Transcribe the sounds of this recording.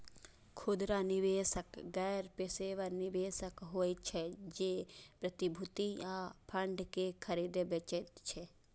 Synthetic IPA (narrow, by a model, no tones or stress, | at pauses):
kʰʊd̪ɾanɪʋeːsəkɡɛjɾpeseʋəɾnɪbeːsəkɦoːjt͡ʃʰɛd͡ʒeːpɾət̪ɪbʱʊt̪iaːpʰəɳɖkekʰəɾid̪bet͡ʃet̪t͡ʃʰɛ